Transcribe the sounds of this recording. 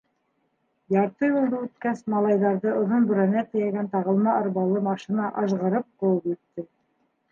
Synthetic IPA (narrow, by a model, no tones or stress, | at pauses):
jɑɾt̪ɤjulˠd̪ɤʉt̪kæsmɑlˠɑjðɑɾðɤʔŏðonbɵ̆ɾænæt̪ɘ̆jæɡænt̪ɑʁɤ̆lˠmɑʔɑ̆ɾβɑlˠɤmɑʃinɑʔɑʒʁɤ̆ɾɤp̚qŏwɤpjit̪ːɘ